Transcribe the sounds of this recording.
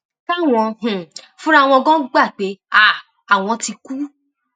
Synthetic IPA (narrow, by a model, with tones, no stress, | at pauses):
ka˦˨w̃ɔ̃˧h̩˨ | fũ˦ɾa˦˧˨w̃ɔ̃˧ɡɔ̃˦ɡ͡ba˦˨k͡pe˨˦a˦˨ | a˨w̃ɔ̃˧ti˧ku˦